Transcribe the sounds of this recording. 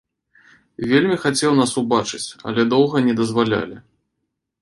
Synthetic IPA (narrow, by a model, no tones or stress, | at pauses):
vʲelʲmʲixat͡sʲɛwnasubat͡ʂɨt͡sʲɐ̰lʲɛd̪ɔwɣɐnʲɛd̪ɐzvalʲa̰lʲi